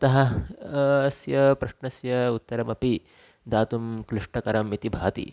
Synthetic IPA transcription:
t̪ɐɦɐ | sjɐpɾɐʂɳɐsjɐut̪ːɐɾɐmɐpi | d̪aːt̪umkɾiʂʈɐkɐɾɐmit̪ibʱaːt̪ḭ

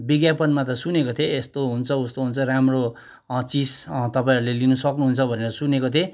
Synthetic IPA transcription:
biɡjapʌnmat̪ʌsunekot̪ʰeːst̪oɦunt͡sʰʌust̪oɦunt͡sʰʌɾamro | t͡sist̪ʌpaĩɾulelinusʌknuɦunt͡sʰʌbʱʌneɾʌsunekot̪ʰe

